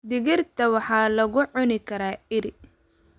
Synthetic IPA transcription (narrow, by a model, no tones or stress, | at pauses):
d̪ɪɣɪrt̪ʰɐwɑħɑːlɐɣʊʕʊnɪkʰɐɾaːɪɾɪ